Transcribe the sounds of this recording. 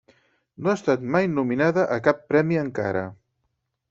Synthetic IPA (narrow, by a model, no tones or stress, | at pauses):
noaːst̪at̪majnuminaðəʔəkapːɾɛmiəŋka̰ɾə̰